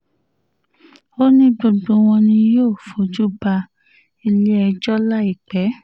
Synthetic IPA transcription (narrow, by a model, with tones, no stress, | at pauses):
o˦nĩ˦do˧dõ˧w̃ɔ̃˧nĩ˧joː˦˨fo˨˦d͡ʒu˦ba˧ | i˧le˦ɛ˧d͡ʒɔ˦la˦i˦˨k͡pɛ˨˦